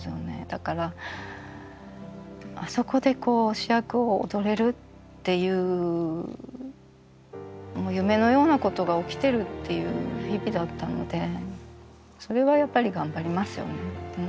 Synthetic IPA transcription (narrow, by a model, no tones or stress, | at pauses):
ɨjone̞̰d̪̥akaɾa | aso̞ko̞d̪e̞ko̞ːɕijakɯ̟o̞̰ːd̪o̞ɾe̞ɾɯ̟t̪ː | e̞jɯ̟ː | mo̞ːjɯ̟me̞no̞jo̞ːnako̞t̪o̞ɡao̞kʲi̥t̪e̞ɾɯ̟t̪ːe̞jɯ̟̰ːçibʲid̪at̪ːano̰d̪e̞ | so̞ɾe̞βajapːaɾʲiɡãmbaɾʲimasɨjo̞̰ne